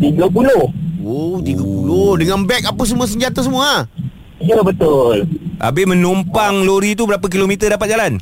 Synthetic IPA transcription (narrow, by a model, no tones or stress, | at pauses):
t̪iɡəpulohot̪iɡapulohdəŋanbɛk̚apəs̬əmũas̬əɲd͡ʒat̪as̬əmũa | ijəbət̪olʔa̰bɪhmə̃numpaŋloɾit̪ubəɾap̬ak̬ilomit̪ədapat̪̚d͡ʒalan